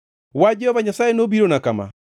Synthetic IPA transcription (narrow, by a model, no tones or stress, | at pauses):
wad͡ʒɛhɔβaɲasaenobiɾonakama̰